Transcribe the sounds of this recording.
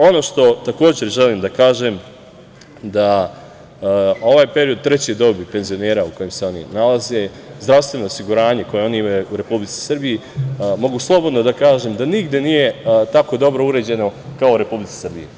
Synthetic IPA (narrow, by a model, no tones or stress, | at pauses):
o̞no̞ːʃt̪o̞t̪ako̞ːd͡ʑe̞ɾʒe̞liːmd̪akaːʒem | d̪a | o̞ʋaːjpe̞ɾio̞d̪̚t̪ɾe̞t͡ɕed̪o̞bipe̞nzio̞ne̞ːɾauko̞jemse̞o̞nḭnalaze̞ | zd̪ɾaʋst̪ʋe̞no̞ːsiɡuɾaːɲeko̞jeo̞niimajuuɾe̞publit̪i̥sɨrbijimo̞ɡuslˠo̞bod̪no̞d̪akaːʒeːmd̪aniɡd̪jenije̞t̪ako̞d̪o̞bɾo̞uɾe̞ːd͡ʑe̞no̞kaouɾe̞publit̪si̥sr̩bḭje